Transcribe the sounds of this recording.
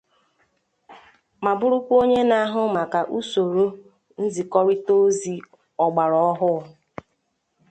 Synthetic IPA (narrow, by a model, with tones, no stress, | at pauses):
ma˨bʊ˦ɾʊ˦kʷo˦ɲe˦na˦a˦ɦʊ˦ma˨ka˨ʔu˦so˨ɾo˦ | n̩˦zi˨kɔ˦ɾi˦to˦zi˦ | ɔ˨ɡ͡ba˨ɾɔ˦ɔ˦ɦʊ˦˨